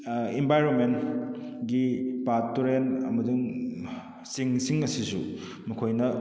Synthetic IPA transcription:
imbʱajɾonmenɡipatuɾenɐ̰mɐduŋ | siŋsiŋɐsisṵ | mɐkʰojnɐ

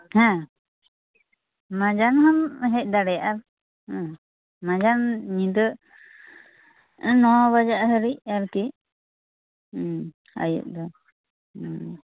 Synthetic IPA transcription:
hɛ̃ | mãd͡ʒanɦamɦɛc̚ˀd̪aɽɛjaʔaɾ̃ | mad͡ʒanɲĩd̪ə | nɔ̃βad͡ʒaʔɦəɾiaɾki | a̰jṵʔ̚d̪ɔ

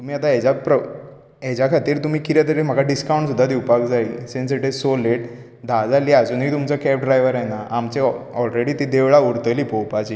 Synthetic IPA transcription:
t̪um̤iːat̪aed͡ʑapɾə | ɦed͡ʑjakʰat̪iːɾt̪um̤iːkiɾjat̪əɾem̤əɡaɖiskawɳʈsud̪ʱːad̪iwpakd͡zailsens̬iʈesoleʈ | d̪ʱad͡zaliːad͡zuːnɦiːt̪umt͡səkɛpɖɾajʋəɾanaʔamt͡ɕeɔlɾeɽiːt̪id̪eʋɭauɾt̪əliːpowpat͡ɕiː

